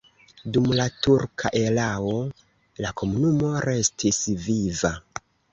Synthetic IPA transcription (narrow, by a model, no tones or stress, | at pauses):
dumlatuɾkʰa̰ʔe̞lao̞ | lakʰo̞munumo̞ɾe̞stʰisviva